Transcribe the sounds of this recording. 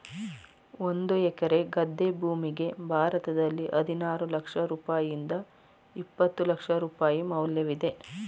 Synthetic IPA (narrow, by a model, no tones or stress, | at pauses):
o̞nd̪uɛkɐɾe̞ɡɐd̪ʱːe̞bʱuːmiɡe̞bʱaːɾɐt̪ɐd̪ɐlːiʔɐd̪ʱinaːɾulɐkʂɐɾuːpaːjind̪ɐ | ipːɐt̪ːulɐkʂɐɾuːpaːjimɐwljɐʋid̪e̞